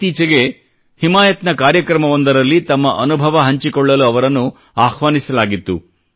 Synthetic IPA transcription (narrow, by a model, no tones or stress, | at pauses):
t̪iːt͡ʃɐɡe̞ | himaːjɐt̪nɐkaːɾjɐkɾɐmɐʋond̪ɐɾɐlːit̪ɐmːɐʔɐnubʱɐʋɐɦɐɲt͡ʃikɔɭːɐluɐʋɐɾɐnːu | aːhʋaːnisɐlaːɡit̪ːṵ